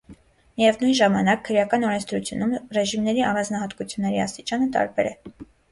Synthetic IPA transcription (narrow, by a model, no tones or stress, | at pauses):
mijɛvnujnʒɑmɑnɑkʰːəɾjɑkɑnɔɾɛnt͡sʰd̪ɾut͡sʰjunumrɛʒimnɛɾiɑrɑnd͡znɑhɑt̪kut͡sʰjunːɛɾiɑ̰st̪it͡ʃɑnət̪ɑ̰ɾbɛ̰ɾɛ